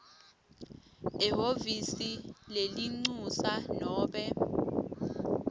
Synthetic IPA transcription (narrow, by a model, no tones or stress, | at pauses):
ɛhovisileliŋ͡ǀusanɔːɓɛ